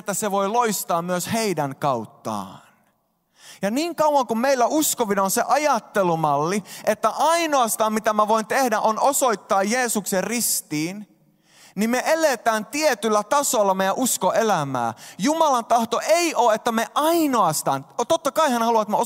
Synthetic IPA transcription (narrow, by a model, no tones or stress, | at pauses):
et̪ːæseʋoiloist̪ɑːmmyøsheidæŋkɑut̪ːɑ̰ːn | jɑniːŋkɑwwɑŋkummeilːæuskoʋinɑonseʔɑjɑt̪ːelumɑlːiet̪ːæʔɑinoɑst̪ɑːmmit̪æmæʋoint̪ehdæʔonosoit̪ːɑːjjeːsukserrist̪iːn | nimmeʔelet̪æːnt̪iet̪ylːæt̪ɑsolːɑmejæ̃ʔuskoʔelæmæ̰ːjumɑlɑnt̪ɑht̪oʔeiʔoːet̪ːæmeʔɑinoɑst̪ɑ̰ːnt̪ot̪ːɑkɑihænhɑluɑt̪meo